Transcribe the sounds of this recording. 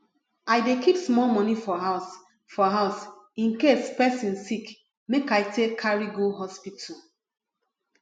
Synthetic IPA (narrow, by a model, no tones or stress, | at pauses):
ajdekipsmɔlmɔnifɔɦaʊs | fɔɦaʊs | ĩnkespɛsĩnsik | mekajtʰekʰːaɹiɡoɦɔspitʰu